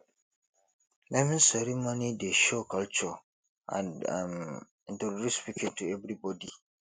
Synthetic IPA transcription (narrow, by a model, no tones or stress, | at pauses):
mʔɛ̃mĩnsɛɾimonideʃokʰalt͡ʃɔ | ã̰na̰m̃ | ndɛɹispikʰĩntuɛvɾibɔdi